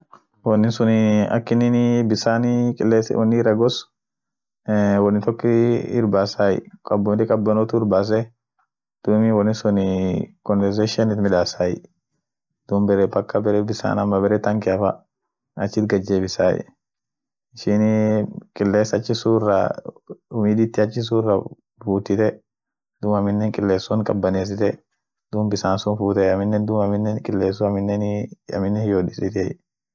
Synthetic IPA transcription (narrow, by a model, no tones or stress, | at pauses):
wɔnːɪsʊnɐ̰kːɪnɪnbɪsaːnɪkʼleːswɐ̰nːɪrːɐɡɔs | wɐnːɪt̪ɔkːɪɪɾbaːsaːjɪ̰kʼɐbːʊt̪ɪkʼɐbːɐnɔt̪ʊɪɾbaːs̬ɛ | d̪̥umɪwɐnːɪsʊnɪkɔnvɛɾseʃɪɐnɪt̪mɪᶑaːsaːjɪ̰ | d̪̥umbɛɾɛbɐkːɐbɛɾɛbɪsa̰ːnɐmːɐbɛɾɛt̪ɐŋkɪɐfa̰ | ɐt͡ʃːɪt̪̚ɡɐd͡ʒːeːbɪsa̰ːj̰ | ɪʃɪnkʼɪlːeːsɐt͡ʃːɪsuːrːɐ̰ | ʊmiːd̪ɪt̪ːɪɐt͡ʃːɪs̬uːrːɐ | buːt̪ːɪt̪ɛ | d̪̥ʊmɐmɪnːɛŋkʼɪlːeːsːʊnkʼɐbːɐneːs̬ɪt̪ɛ | d̪uːmbɪsaːnsʊnfuːt̪ɛɐmɪnːɛnd̪umɐmɪnːɛnkʼɪlːeːs̬ʊɐmɪnːɛnɐ̰mɪnːɛhjoːdɪsɪt̪ɛj